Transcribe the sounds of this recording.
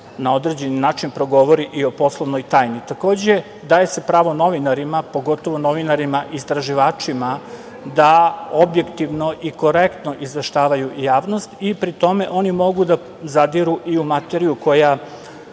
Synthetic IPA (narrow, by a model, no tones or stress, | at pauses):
nao̞d̪ɾe̞ːd͡ʑe̞ninaːt͡ʃinpɾo̞ɡo̞ʋo̞ɾiʔio̞po̞slˠoʋno̞jt̪aːjnit̪ako̞ːd͡ʑe̞ | d̪aːje̞se̞pɾaːʋo̞no̞ʋinaɾimapo̞ɡo̞t̪o̞ʋo̞no̞ʋinaɾimaʔist̪ɾaʒiʋaːt͡ʂima | d̪aobjekt̪iʋno̞ʔiko̞ɾekt̪no̞ʔizʋe̞ʃt̪aːʋajujaːʋno̞st̪ipɾit̪o̞me̞ʔo̞nimo̞ɡud̪a | zad̪iɾuʔiumat̪eɾijuko̞ja